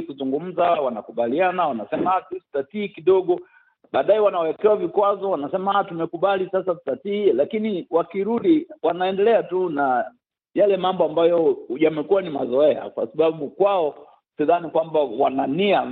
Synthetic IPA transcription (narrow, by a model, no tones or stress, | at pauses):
kuzuŋɡum̩zawanakuɓalianawanasɛmatusi̥tatiːkiɗɔɡɔ | ɓaːɗaɛwanawɛkɛwavikwazɔwanasɛmatumɛkuɓalisasasu̥tatiːlakiniwakiɾuɗiwanaɛndɛlɛatuna | jalɛmambɔambajɔjamɛkuanimazɔɛa̰kwa̰saɓaɓukwaɔ | siðanikwambawanania